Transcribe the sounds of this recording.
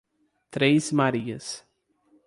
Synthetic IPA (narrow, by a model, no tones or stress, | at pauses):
t̪ɾejsmaɾiɐs